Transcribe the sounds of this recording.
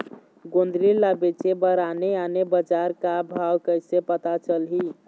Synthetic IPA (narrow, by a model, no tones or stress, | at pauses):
ɡond̪ɾilabet͡ʃebəɾaneanebəd͡ʒaɾkabʱawkəjsepət̪at͡ʃəlɦi